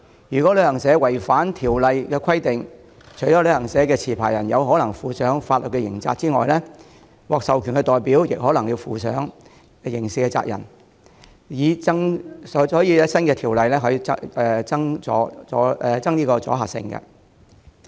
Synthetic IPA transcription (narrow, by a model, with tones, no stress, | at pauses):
jyː˨˩kʷɔ˨˥lɵ˨˧ɥhɐ˨˩ŋsɛː˨˥wɐ˨˩jfaː˨˥nt̪ʰiː˨˩wlɐ˨jkɛː˧kʰɐ˥jt̪ɪ˨ŋ | t͡ʃʰɵ˨˩ɥjɔː˨˥lɵ˨˧hɐ˨˩ŋsɛː˨˥kɛː˧t͡sʰiː˨˩pʰaː˨˩jɐ˨˩njɐ˨˧wɦɔː˨˥lɐ˨˩ŋfuː˨˧sœː˨˥ŋfaː˧t̚lə˨t̚kɛ˧jɪ̰˨˩ŋt͡sa̰ː˧t̚t͡siː˥ŋɔ̰ː˨jlɛː˥ | wɔː˨k̚sɐ˨wkʰy˨˩nkɛ˧t̪ɔː˨jpiː˨˥wjɪ˨k̚ɦɔː˨˥lɐ˨˩ŋjiː˧wfuː˨˧sœː˨˥ŋ | jɪ˨˩ŋsɪ˨kːɛ˧t͡sa̰ː˧k̚jɐ̰˨˩n | jiː˨˧t͡sɐ˥ŋsɔ˨˥hɔː˨˥jiː˨˧ɛ˥sɐ˥nkɛ˧t̪ʰiː˨˩wlɐ˨jlɛː˥ɦɛ˧t͡sɐ˥ŋt͡sɔ̰ː˨˥t͡sɔː˨˥ɛ˧t͡sɐ˥ŋliː˥kɔː˧t͡sɔ̰ː˨˥ɦaː˨˩k̚sɪ̰˧ŋkɛ̰˧